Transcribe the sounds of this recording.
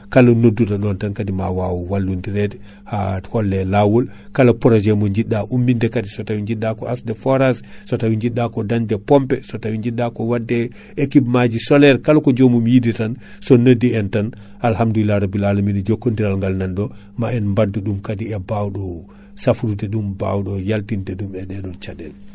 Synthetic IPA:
kalanodːutaɗɔntankadimawawuwalːundiɾɛtɛ̥ | hahɔlːɛlawɔlkalapɔɾɔd͡ʒɛmɔɲd͡ʒiɗːaʔumːindɛkadisɔtawiɲd͡ʒiɗːakɔasdɛfɔɾassɔtawiɲd͡ʒiɗːakɔdandɛpɔmpɛsɔtawiɲd͡ʒiɗːakɔwadːɛ | ekipmad͡ʒisɔlɛɾkalkɔd͡ʒomumjiditan | sɔnədiɛntan | ʔalhamduilaɾabilalaminɛd͡ʒokːondiɾalŋɡalnanɗɔ | maɛnmbadːuɗumkadiɛbawɗɔ | safuɾutɛɗumba̰wɗɔjaltintɛɗumɛɗɛɗɔnt͡ʃadɛl

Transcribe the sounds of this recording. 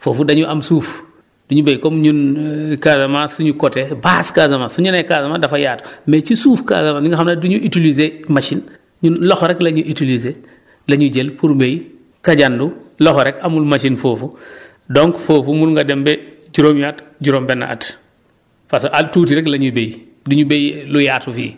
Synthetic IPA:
foːfudɐɲuʔamsuːf | d̥uɲubejkomɲunkazamasuɲukotebaːskazamasuɲunekazamadafajaːtmet͡ʃisuːfka̰zamaɲuŋɡaxamnaduɲuʔitilizemaʃin | ɲunlɔxɾɛklɐɲuʔitilize | lɐɲuɟelpuɾbej | kaɟandulɔxɾɛkamulmaʃinfoːfu | doŋkfoːfumulŋɡadembɛ | d͡ʒuɾoːmjatɟuɾombɛnːa̰ʔa̰t | fasʔatuːtiɾɛklɐɲubej | duɲubejlujatufḭː

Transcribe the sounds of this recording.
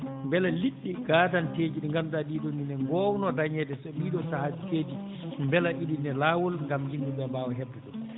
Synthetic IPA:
mbɛlaliɗːiɡaːdanteːd͡ʒiɗiŋɡamdaɗidoninɛŋɡɔːwnɔdaɲɛdɛsɔɓiːɗɔsahad͡ʒiteːd͡ʒi | mbɛlaʔiɗinɛlaːwɔlŋɡamhimduɓɛbawɔɦɛbːɛɗɔ

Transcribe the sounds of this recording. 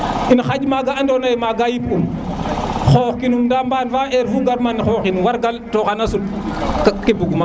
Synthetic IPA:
inxad͡ʒmaɡaandonajmaɡajipum | xoxkinumndambanvaeɾvuɡaɾmanixoxinwaɾɡaltoɣanasu | kakebuɡuma

